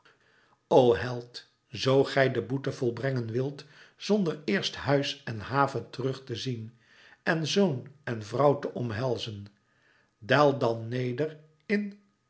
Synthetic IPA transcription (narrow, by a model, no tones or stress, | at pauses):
owɦɛlˠt | zowχɛjdəbutəv̥ɔlˠbrɛŋənʋɪlˠt | z̥ɔndəɹɪːɹsthœɥsɛnɦaːvəntərɵχtəzin | ɛnzownɛnvrʌwtəʔɔmɦɛlˠzən | dɛlˠdɑnːejdər | ɪn